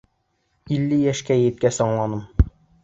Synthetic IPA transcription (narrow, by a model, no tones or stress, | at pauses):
ilːɘjæʃkæjɘjɘ̆t̪̚kæsɒɴlˠɑnɤm